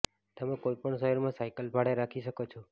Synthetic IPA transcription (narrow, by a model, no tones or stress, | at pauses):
t̪əmẽkoipəɳsəɦɔɾmãsajkəlbʱaɽeɾakʰiʃəkot͡ʃʰɔ